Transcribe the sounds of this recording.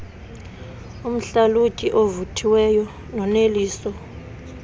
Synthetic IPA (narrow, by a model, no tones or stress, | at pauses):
um̩ɬalucʼiʔovutʰiwɛjɔ | nɔneliːsɔ